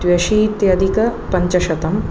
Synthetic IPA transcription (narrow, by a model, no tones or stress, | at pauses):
ʋjɐʃiːt̪jɐd̪ʱikɐpɐɲt͡ʃɐʃɐt̪ɐm